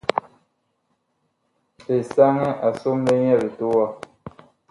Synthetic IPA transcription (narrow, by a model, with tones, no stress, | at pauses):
pe˨sa˦ŋɛ˦ʔa˨so˦mle˦ɲɛ˦˨ɾe˨to˦wa˦